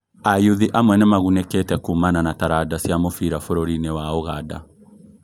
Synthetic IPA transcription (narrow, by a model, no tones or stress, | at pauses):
ajuðiʔamwɛnɛmaɣunɛketɛkumananataɾadasjamofiɾafoɾoɾinewaoɣada̰